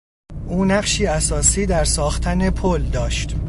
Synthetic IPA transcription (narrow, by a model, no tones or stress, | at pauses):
ʔuːnæɢʃiːæsɒːsiːd̪æɾsɒːxt̪ʰæne̞pʰold̪ɒːʃt̪